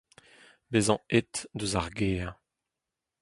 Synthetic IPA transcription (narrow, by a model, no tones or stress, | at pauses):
bezɑ̃et̪d̪øzaʁɡeːʁ